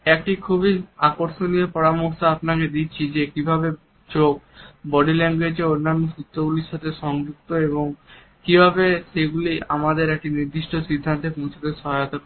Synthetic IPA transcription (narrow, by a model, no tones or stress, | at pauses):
ɛk̚ʈikʰubiakoɾʃoniopɔɾamoʃaapnaked̪it͡ɕʰid͡ʑekibʱabe | t͡ɕok̚bɔɖileŋɡwed͡ʑeonːanːosɾut̪ːɾoɡuliʃat̪ʰeʃɔŋd͡ʑuk̚t̪oeboŋ | kibʱabeʃeɡulia̰mad̪eɾek̚ʈiniɾd̪iʃʈosid̪ʱːant̪epõw̃t͡ɕʰot̪eʃɔɦajot̪a